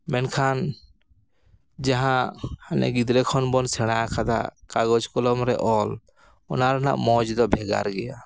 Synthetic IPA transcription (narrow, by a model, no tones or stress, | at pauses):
mɛnkʰan | d͡ʒaɦãhanɛ̰ɡid̪ɾɛkʰɔnbɔnsɛɽ̃aakʰad̪a̰kaɡɔd͡ʒkɔlɔmɾɛʔɔl | ɔnaɾna̰ʔmɔd͡ʒd̪ɔbʱɛɡa̰ɾɡɛja